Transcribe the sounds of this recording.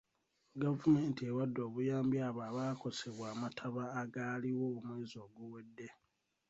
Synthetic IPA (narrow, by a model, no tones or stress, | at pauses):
ɡavume̞ːntiewadːo̞ːβujaːmbjaːβaːβaːko̞se̞βwaːmatʰaβaːɡaːliwo̞ːmwe̞ːzo̞ːɡuwe̞dːe̞